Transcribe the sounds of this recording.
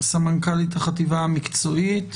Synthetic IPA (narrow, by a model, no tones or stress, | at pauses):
samaŋkalit̪aχativaamikt͡soit